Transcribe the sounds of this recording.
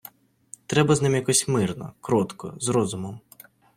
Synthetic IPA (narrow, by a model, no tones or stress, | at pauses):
t̪ɾɛbɐznɪmjɐkɔsʲmɪrnɔ̰kɾɔt̪kɔ̰zɾɔzʊmɔm